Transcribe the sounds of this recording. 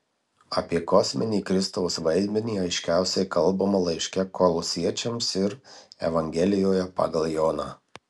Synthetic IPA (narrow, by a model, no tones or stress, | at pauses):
ɐpʲiɛkɔsʲmʲɛnʲiːkɾʲɪst̪ɔʊsʋɐɪd̪ʲmʲɛnʲiːɐɪʃʲkʲæˑʊsʲɛɪkɐlˠbɐmɐlˠɐɪʃʲkʲɛkɔlˠɔsʲiɛt͡ʃʲɛmsɪɾɛ̰ʋɐŋʲɡʲɛlʲɪjoːjɛpɑ̰ːɡɐlˠjoːnɑː